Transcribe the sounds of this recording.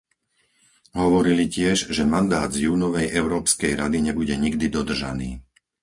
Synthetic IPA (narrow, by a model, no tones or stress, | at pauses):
ɦɔʋɔɾilicɪɛʒʒɛmand̪aːd̪zjuːnɔʋɛjʔɛʊɾɔːpskɛjɾad̪iɲɛbuɟɛɲiɡd̪id̪ɔd̪r̩ʒa̰niː